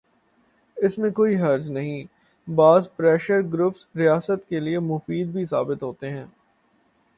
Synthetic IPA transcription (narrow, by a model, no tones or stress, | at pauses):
ɪsmẽkoːiɦɐɾd͡ʒnɐɦĩː | baːzpɾɛːʃəɾɡɾʊːpsɾijaːsət̪keliemʊfiːd̪̚bʱisa̰ːbɪt̪ɦoːt̪eɦɛ̃ː